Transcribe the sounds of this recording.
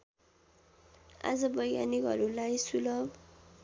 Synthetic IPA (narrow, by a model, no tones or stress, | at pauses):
a̰d͡zʌbʌja̰nikɦʌɾulajsulʌb